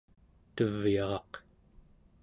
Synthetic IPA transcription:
t̪əvjɑʁɑq

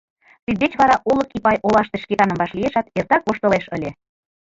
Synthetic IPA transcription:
t̪id̪̚bet͡ɕβɑɾɑʔoləkipɑjʔolɑʃt̪eʃket̪ɑnəmbɑʃlieʃɑt̪ert̪ɑk̚βoʃt̪əleʃəlʲe

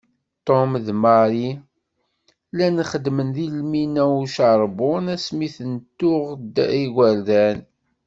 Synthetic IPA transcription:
t̪ˤomðmɑɾi | lænχəd̪ːmənðilminæuʃɑɾˤbʊnæsmiθənt̪ːʊʁd̪iɡʷæɾðæn

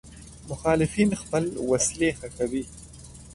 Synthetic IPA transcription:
mʊxɑːlɪfiːnxpəlwaslexakawi

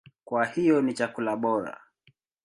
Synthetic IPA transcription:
kwahijɔnit͡ʃakulaɓɔɾa̰

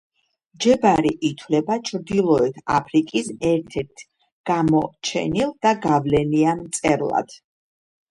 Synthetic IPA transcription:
d͡ʒɛbaɾiʔit̪ʰwlɛbat͡ʃʰɾd̪ilˠɔɛt̪ʰapʰɾikʼisɛɾt̪ʰɛɾt̪ʰ | ɡ̥amɔt͡ʃʰɛ̰nilˠd̪̥aɡavlɛnianmt̪sʼɛɾlˠa̰d̪̥

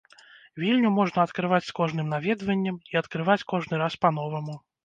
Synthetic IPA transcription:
vʲilʲnʲumɔʐnɐɐt̪kɾɨvat͡sʲskɔʐnɨmnavʲɛd̪vɐnʲːɐmiɐt̪kɾɨvat͡sʲkɔʐnɨɾaspan̪ɔvɐmu

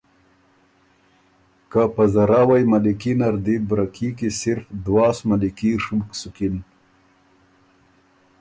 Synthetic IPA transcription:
kapazaɾaːwajmalikinaɾd̪ibɾakʰikisɪɾfd̪wɑːsmalikiʂubksukin

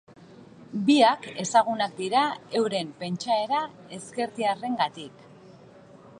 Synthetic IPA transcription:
biake̞saɣ̞unak̚d̪iɾae̞wɾe̞mpe̞nt͡ʃae̞ɾa | e̞ske̞ɾðiare̞ŋɡat̪ik

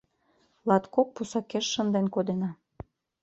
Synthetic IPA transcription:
lɑt̪kok̚pusɑkeʃːənd̪enkod̪enɑ

